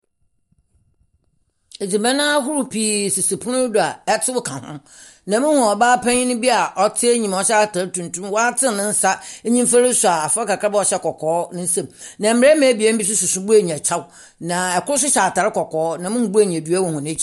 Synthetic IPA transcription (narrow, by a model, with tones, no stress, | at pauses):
e˨d͡zi˨mɛ̃˦nã˦ɦʊ˦ɾʊ˨pʰi˨˦˨si˨si˨pʰʊ˦nʊ̃˦dʊ˨a˨ɛ˦tʰɪ˦wʊ˦kʰã˨hʊ̰̃˦ | nã˨mɪ̃˦hʊ̃˨ɔ˨baː˦pʰæ̃˦ɲĩ˦nʊ̃˦bi˦a˨ʔɔ˦tʰɪ˦e˦ɲĩ˨m˨ɔ˨ɕtʰa˨ɾɪ˦tʰũ˨ntʰũ˦m˦wɔ˦a˦tʰɪ˦˨nɪ̃˦n̩˦sa˦ɲĩ˦m˦fa˦ɾɪ˦sʊ˨a˨a˨fɔ˦ka˨kʰɾa˦bɛ˦ɔ˨ɕɛ˦kʰɔ˨kʰɔː˦nʊ̃˦sɛ̃˨mnã˨m̩˨mɪ˨ɾɛ˦mɛ̃˨˦bi˨e˦bi˦s̬ʊ˦sʊ˨sʊ˦bu˦æ˨ɲ˨a˨t͡ɕʰa˦w | nã˨ɛ˨kʊ˦ɾʊ˦s̬ʊ˦ɕa˨ta˨ɾɪ˦kɔ˨kʰɔː˨˦nã˨mɪ̃˦hʊ̃˨bu˦æ˦˨ɲ˨ã˨dɥæ˦wɔ˨hʊ̃˨ñ˦t͡ɕʰi˨